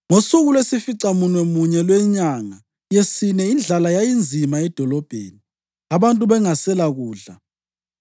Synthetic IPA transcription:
ŋosuɣulwesifiǀamunwemuɲɛlwɛɲaŋa | jesinɛind͡ɮʱalajajind͡zʱimaɛd̥ʱɔlɔb̥ʱḛːni | aβantʼuβɛŋasɛlaɣuːɮa

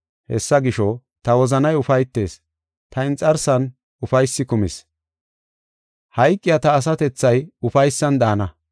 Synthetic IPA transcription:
hɛ̰sːɐɡɪʃɔ | t̪ɐwɔzɐnɐjʊfɐjt̪ːe̞̰ːs | t̪ɐɪnt͡sʼɐɾsɐn | ʊfɐjsːɪkʊmɪs | hɐjkʼːɪjat̪ɐːs̬ɐt̪ɛt͡sːɐjʊfɐjsːɐnd̪aːnɐ

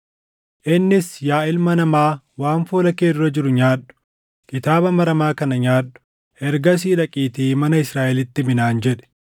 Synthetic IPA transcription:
ʔɪnːɪsjaːɪlmɐnɐmaː | waːnfoːlɐkeːd̪ʊɾɐd͡ʒɪɾʊɲaːɗʊ̥ | kʼɪt̪aːbɐmɐɾɐmaːkɐnɐɲaːɗːʊ̥ | ɛɾɡɐs̬iːᶑɐkʼiːt̪iːmɐnɐɪsɾaːʔɛlɪt̪ːɪmɪnaːnd͡ʒɛᶑɛ̥

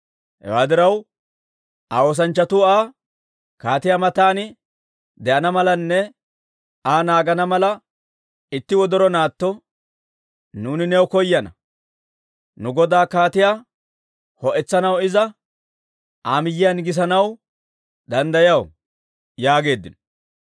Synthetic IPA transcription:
hɛ̰waːd̪ɪɾɐw | ʔaoːs̬ɐnt͡ʃːɐt̪ʊaː | kaːt̪ɪjaːmɐt̪aːnɪ | d̪ɛʔɐnɐmɐlɐnːɛ | aːnaːɡɐnɐmɐlɐ | ɪt̪ːɪwɔd̪ɔɾɔnaːt̪ːɔ | nuːnɪnɛwkɔjːɐnɐ̰ | nʊɡɔd̪aːkaːt̪ɪja | hɔʔɛt͡sːɐnɐwɪzɐ | ʔaːmɪjːɪjɐnɡɪs̬ɐnɐw | d̪ɐnd̪ɐjɐw | jaːɡe̞ːd̪ːɪnɔ̥

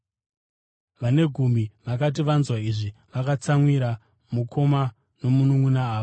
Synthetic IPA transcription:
ʋane̞ɡʱumiʋakat̬iʋanzwaiʐiʋakat͡samwiɾa | mukʰo̞ma | no̞munuŋunaaːʋo

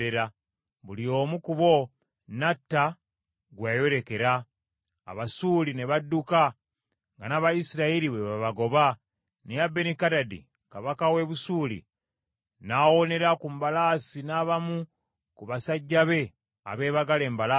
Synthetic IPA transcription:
eɾa | βulio̞ːmukuβo̞ | natːa | ɡwajo̞ɾe̞ke̞ɾa̰ː | βasuːline̞βadːuka | ŋɡanaβajisiɾaiɾiβweβaβaɡo̞βa | nejabenikadadḭ | kaβakawe̞βusuːlḭ | naːwo̞ne̞ɾakumbalaːsinaːβamu | kuβasaɟːaβe̞ | a̰βe̞ːβaɡale̞ːmbala

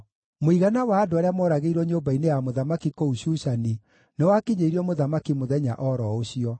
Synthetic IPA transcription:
moiɣanawaːdoaɾeamɔːɾaɣeiɾwɔɲoːbainejamoðamakikouɕuɕani | newakiɲeiɾiɔmoðamakimoðɛɲa̰ʔɔɾɔoɕiɔ

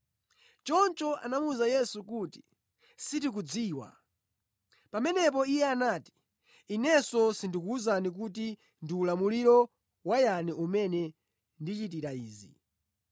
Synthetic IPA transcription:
t͡ʃɔnt͡ʃɔʔa̰namuzajɛsukuti̥ | sitik̬ud͡ziːwa̰ | pamɛnɛp̬ɔijɛanaːti̥ | inɛsɔsindikuːzanik̬ut̬i | ndiulamuliɾɔ | wajaniʔumɛnɛ | ndit͡ʃitiɾaiːzḭ

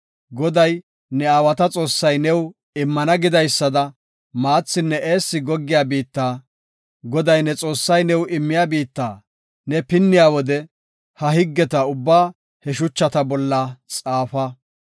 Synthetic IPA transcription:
ɡɔd̪ɐj | nɛaːwɐt̪ɐt͡sʼo̞ːsːɐjnɛw | ɪmːɐnɐɡɪd̪ɐjsːɐd̪ɐ | maːt͡sːɪnːɛeːsːɪɡɔɡːɪjaːbiːt̪ːaː | ɡɔd̪ɐjnɛt͡sʼo̞ːsːɐjnɛwʔɪmːɪjaːbiːt̪ːaː | nɛpɪnːɪjaːwɔd̪ɛ | hɐɦɪɡːɛt̪ɐʊbːaː | hɛʃ̬ʊt͡ʃːɐt̪ɐbɔlːɐt͡sʼaːfɐ

